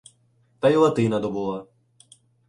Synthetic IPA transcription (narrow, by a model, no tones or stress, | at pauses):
t̪ajlˠɐt̪ɪnɐd̪ɔbulˠa